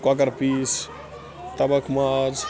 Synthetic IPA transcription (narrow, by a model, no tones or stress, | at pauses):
kakəɾpiːs | t̪ɐbəkmad͡ʒ